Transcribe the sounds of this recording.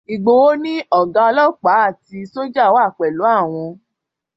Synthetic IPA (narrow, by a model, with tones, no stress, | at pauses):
i˨ɡ͡bo˨wo˦nĩ˦ɔ˦˨ɡã˧˦ɔ˧lɔ˦k͡pa˨˦a˦˨ti˧so˦d͡ʒa˦˨o˨˦a˦˨k͡pɛ˨lo˨˦a˦˨w̃ɔ̃˧